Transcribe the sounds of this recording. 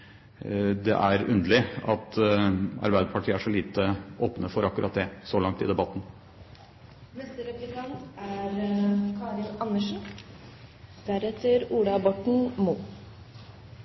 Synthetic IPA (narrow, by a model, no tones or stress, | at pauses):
d̪ɛ̰ʔæɾʉnd̪əlɪɑ̰t̪ | ɑ̰ɾbæɪd̪əpʰɑʈʰiːəæʂɔliːt̪əʔoːpnəfɔɾɑkːʉɾʔɑt̪̚d̪ɛsɔlɑŋt̪ɪ̰d̪ɛbɑt̪ːn̩ | nɛst̪əɾɛpɾɪk̪ɑnt̪æɾkʰɑːɾɪlɑnːəʂn̩ | d̪̥æɾɛt̪ʰəɾuːɽɑbɔʈɳ̩muː